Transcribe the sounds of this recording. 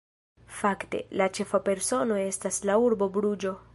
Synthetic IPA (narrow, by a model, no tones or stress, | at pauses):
fakte̞̰lat͡ʃe̞fape̞ɾso̞no̞e̞staslauɾbo̞bɾud͡ʒo̞